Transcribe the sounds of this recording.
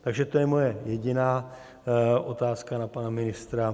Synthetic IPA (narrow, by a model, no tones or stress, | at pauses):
t̪aɡʒɛt̪ojɛmo̞jɛjɛɟɪnaː | ʔot̪aːskanapanamɪnɪst̪ɾa